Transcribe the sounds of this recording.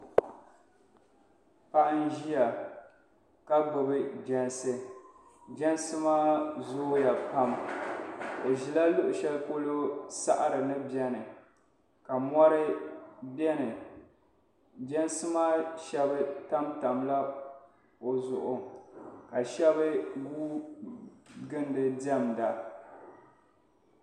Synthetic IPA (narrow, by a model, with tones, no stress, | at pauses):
pa˦ʔn̩˦ʒi˦ja˨ | ka˦ɡ͡bɨ˨bɨ˦d͡ʒɛ˦nsɨ˦ | d͡ʒɛ˦n˦sɨ˦maː˦zʊ˦ja˨pa˦m | dɨ˨ʒi˨la˦lʊ˦ʔʊ˨ʃɛ˦lko˦lo˦sa˦ʔa˦ɾɨ˨nɨ˦bjɛ˦nɨ˨ | ka˨mɔ˦ɾɨ˦bjɛ˦nɨ˨ | d͡ʒɛ˦n˦sɨ˦maː˦ʃɛ˦bɨ˦ta˦mta˨mla˦ | o˨zʊ˨ʔʊ˨ka˨ʃɛ˦βɨ˦ɡuː˦ | ɡɨ˦ndɨ˨dɛ˦˨mda˨